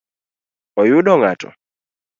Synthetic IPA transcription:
ɔjuɗɔŋatɔ̰

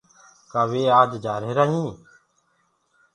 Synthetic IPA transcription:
kaːʋeːaːd͡ʒd͡ʒaːɾeːɾaːɦĩː

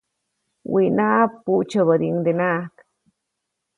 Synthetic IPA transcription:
winapuʔt͡ʃəβəd̪iŋd̪enaʔk

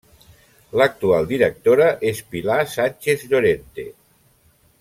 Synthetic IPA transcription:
lək̚t̪ualˠd̪iɾək̚t̪oɾaʔespilasanʲt͡ʃezʎoɾent̪e

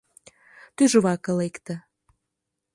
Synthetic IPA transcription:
t̪yʒŏβɑkɤ̆lekt̪ə̆

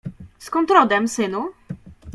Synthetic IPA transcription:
skɔnt̪ɾɔd̪ɛmsɘnu

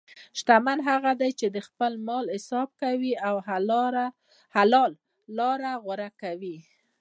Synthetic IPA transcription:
ʃt̪amanɦaɣad̪ajt͡ʃed̪əxpəlmɑlhɪsɑb̚kawiaw | halɑlː | ɑɾaɣʊɾakawi

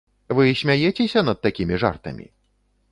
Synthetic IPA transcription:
vɨsʲmʲajɛt͡sʲɛsʲɐnɐd̪̚t̪ːakʲimʲiʐa̰rt̪ɐ̰mʲḭ

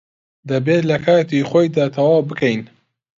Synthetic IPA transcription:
d̪ɐbeːt̪lɐkʰaːt̪iχoːjd̪aːt̪ʰɐwaːwbɨkʰɐjn

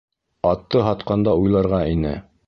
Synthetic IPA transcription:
ɑt̪ːɤɦɑt̪̚qɑnd̪ɑujlˠɑɾʁɑinɘ̰

